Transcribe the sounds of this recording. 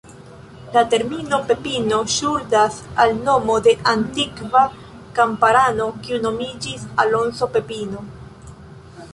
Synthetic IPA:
late̞ɾmino̞pe̞pinoʃuldasalno̞mo̞de̞ʔantikva | kampaɾano̞kiuno̞mid͡ʒisalo̞nso̞pe̞pino̞

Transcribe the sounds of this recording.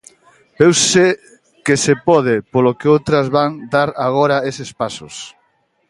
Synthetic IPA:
ewse | kesepɔð̞ɪpolokeowt̪ɾɐzβaŋd̪aɾaɣɔɾɐesespasʊ̰s

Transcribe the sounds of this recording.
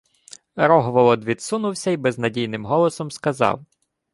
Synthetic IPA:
ɾɔɦɔʋɔlˠɔd̪ʋʲid̪sunʊwsʲɐibɛznɐdʲijnɪmɦɔlˠɔsɔmskɐzɑ̰w

